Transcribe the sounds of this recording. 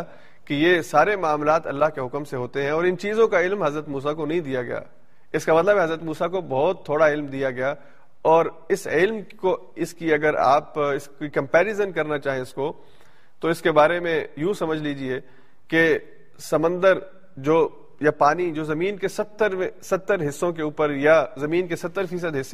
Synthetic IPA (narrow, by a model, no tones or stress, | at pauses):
kijesaːɾemaːmlaːt̪ɐ̰lːaɦkeɦʊkmseɦoːt̪eɦɛ̃ɔːɾɪnt͡ʃiːzõkaɪlmɦɐzɾət̪muːs̬akonɐɦĩd̪ijaɡɐ̰ja̰ː | ɪskamɐt̪ləbɛɦɐzɾət̪muːsakobɐɦt̪ʰːoːɽaɪlmd̪ijaɡɐjaː | ɔːɾ | ɪsɪlmko | ɪskiɐɡəɾa̰ːpɪskikɐ̃mpɛːɾɪzənkɐɾnat͡ʃaːɦẽɪsko | t̪oɪskebaːɾemẽjũsɐməd͡ʒʱliːd͡ʒie | ke | sɐmə̃nd̪əɾ | d͡ʒoː | japaːnid͡ʒoːzɐmiːnkesɐt̪ːəɾmẽsɐt̪ːəɾɦɪsːõk̬euːpəɾjazɐmiːnkesɐt̪ːəɾfiːs̬əd̪ɦɪsː